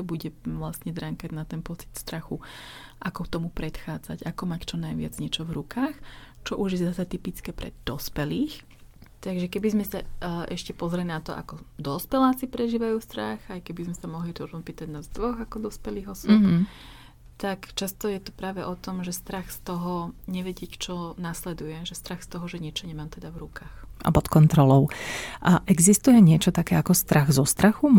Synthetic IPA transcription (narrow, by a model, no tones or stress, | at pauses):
t̪ɔbuɟɛʋlasɲɛd̪ɾaŋkaɟnat̪ɛnpɔt͡si̥t̪st̪ɾaxuʔakɔkt̪ɔmupɾɛt̪xaːd͡za̰ɟakɔmact͡ʃɔnajʋɪa̰d͡zɲɛt͡ʃɔvɾukaːx | t͡ʃɔʔuʒjɛzasɛt̪ipit͡skɛːpɾɛ̰d̪̥ɔspɛliːx | t̪aɡʒɛkɛbizmɛsaʔɛʃcɛpɔzɾɛlinat̪ɔʔa̰kɔd̪ɔspɛlaːt͡sipɾɛʒiːʋajuːst̪ɾaxajkɛbizmɛsamɔɦliɾɔʒnupiːt̪aɟnazd̪ʋɔɣakɔd̪ɔspɛliːɣɔswɔp | t̪akt͡ʃast̪ɔjɛt̪upɾaːʋɛʔɔt̪ɔmʒɛst̪ɾaxst̪ɔɦɔɲɛʋɛɟɛct͡ʃɔnaslɛd̪ujɛʒɛst̪ɾaxst̪ɔɦɔʒɛɲɪɛt͡ʃɔɲɛmaːmt̪ɛd̪avɾukaːxa̰pɔt̪kɔnt̪ɾɔlɔʊ | ʔɛɡzist̪ujɛɲɪɛt͡ʃɔt̪akɛːakɔst̪ɾaɣzɔst̪ɾaxu